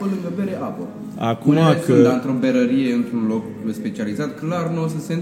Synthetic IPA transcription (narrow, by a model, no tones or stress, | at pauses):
əlɨŋɡəbeɾeʔapə | akumaekɨnd̪aɨnt̪ɾo̞beɾəɾije̞ɨnt̪ɾunlo̞k | spe̞t͡ʃializat̪klarnos̬əsen